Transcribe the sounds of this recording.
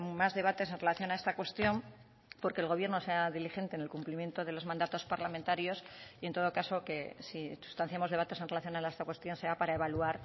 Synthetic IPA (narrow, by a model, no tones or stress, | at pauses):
mazðe̞β̞at̪e̞s̬e̞nrelaθjo̞nae̞st̪akwe̞st̪jo̞m | po̞ɾke̞ːlɣo̞βje̞ɾno̞seaðilixe̞nt̪eːne̞lkumplimjent̪oðe̞lo̞zmãnd̪at̪o̞spaɾlamẽnt̪aɾjo̞sie̞nt̪o̞ðo̞kaso̞ke̞sisu̥st̪an̟θjemoð̞e̞βat̪ese̞nrelaθjo̞nalaest̪akwe̞st̪jo̞nse̞apaɾae̞βaluaɾ